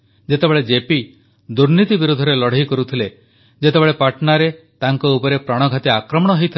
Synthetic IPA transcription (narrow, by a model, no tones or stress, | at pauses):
d͡ʒet̪ebeɭed͡ʒepi | d̪uɾnit̪ibiɾud̪ʱɔɾelɔɽ̤ejkɔɾut̪ʰile | d͡ʒet̪ebeɭepaʈɔnaɾet̪aŋkɔupɔɾepɾaɽ̃ɔɡʱat̪iakɾɔmɔɽ̃ɔɦejt̪ʰi